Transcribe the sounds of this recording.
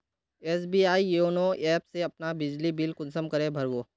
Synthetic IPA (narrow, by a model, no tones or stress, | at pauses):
eːs̬biːaːijoːnoʔɛːpseɐpnabɪd͡ʒlibilkʊnsəmkɐɾẽbʱɐɾɡoː